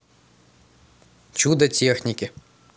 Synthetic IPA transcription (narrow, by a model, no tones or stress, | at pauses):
t͡ʃud̪ɐt͡sʲexnʲikʲɪ